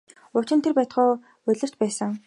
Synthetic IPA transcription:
ʊt͡ɕɪ̆nt̪ʰerpæːt̪χʊː | ɵɮʲɘ̆rt͡ɕpæːsə̆ŋ

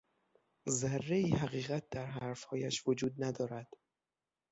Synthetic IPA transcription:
zærːeiːhæɣiːɣæt̪̚d̪æɾɦææɾfhɒːjæʃvod͡ʒuːd̪̚næd̪ɒːɾæd̪̥

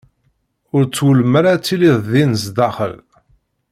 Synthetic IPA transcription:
ʊɾt͡sːwəlməɾat͡sːiliððinzd̪ɑχə̰l

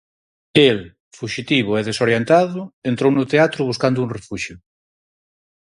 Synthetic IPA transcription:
el | fuʃit̪iβ̞ʊeðesoɾjent̪aðʊent̪ɾownʊt̪eat̪ɾʊβuskand̪ʊuŋrefuʃjʊ

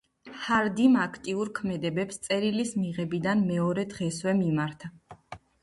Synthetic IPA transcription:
haɾd̪imakʰt̪ʼiuɾkʰmɛd̪ɛbɛpst̪sʼɛɾilismiʁɛbid̪anmɛɔɾɛd̪ʁɛswɛmimaɾt̪ʰa

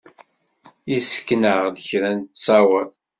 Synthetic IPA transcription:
isə̥kːnəʁd̪əçɾænt̪sæwæ

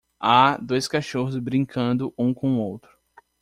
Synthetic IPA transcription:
ad̪ojskaʃoɦʊzbɾĩŋkʰɐ̃nd̪ʊʔũkõw̃owt̪ɾʊ

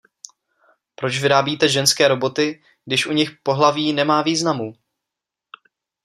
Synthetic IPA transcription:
pɾo̞t͡ʃvɪɾaːbiːt̪ɛʒɛnskɛːɾo̞bo̞t̪ɪ | ɡ̚dɪʃʔuɲɪxpo̞ɦlaviːnɛmaːviːznamuː

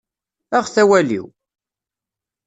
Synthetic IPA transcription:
æʁθæwælḭw

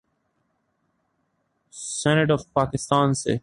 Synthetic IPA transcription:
sɛneʈɔfpaːkɪst̪aːnsḛ

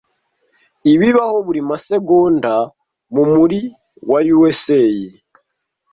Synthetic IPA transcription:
iβiβaho̞βuɾimase̞ɡoːnda | mumuɾi | wajuweseji

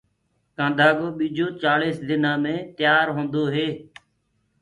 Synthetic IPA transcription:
kãːnd̪ʱaːɠoːɓiːd͡ʒʱoːt͡ʃaːleːsd̪ɪnãːmẽːt̪ɪjaːɾɦõːnd̪oːɦeː

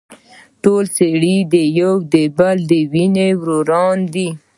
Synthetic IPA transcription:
ʈolseɽid̪əjowd̪əbald̪əwinewɾoɾɑnd̪i

